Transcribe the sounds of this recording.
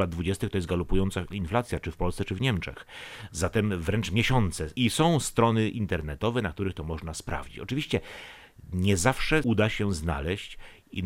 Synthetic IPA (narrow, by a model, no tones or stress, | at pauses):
lad̪̚d̪vud͡ʑɛst̪ɘxt̪ɔjɛs̬ɡalupujɔnt̪sainflat̪sʲjat͡ʂɘfpɔlsɛt͡ʂɘvɲɛmt͡ʂɛ̰xzat̪ɛmvɾɛnt͡ʂmʲjɛɕɔnt̪sɛisɔ̃w̃st̪ɾɔnɘʔint̪ɛɾnɛt̪ɔvɛnak̚t̪uɾɘxt̪ɔmɔʐnaspɾa̰vd͡ʑit͡ɕɔt͡ʂɘvʲiɕt͡ɕɛ | ɲɛzafʂɛud̪aɕɛzna̰lɛɕt͡ɕ | i